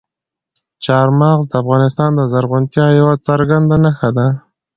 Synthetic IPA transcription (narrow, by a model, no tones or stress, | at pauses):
t͡ʃɑɾmɑɣzd̪əafɣɑnɪst̪ɑnd̪əzaɾɣʊnt̪jɑjawat͡saɾɡand̪anaxad̪a